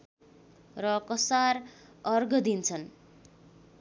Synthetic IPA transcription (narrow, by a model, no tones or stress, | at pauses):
rʌkʌsarʌrɡʌd̪int͡sʰʌn